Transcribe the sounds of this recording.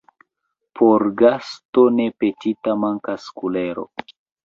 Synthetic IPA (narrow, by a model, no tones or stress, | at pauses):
pʰoɾɡastonepetitamaŋkaskuleɾo̞̰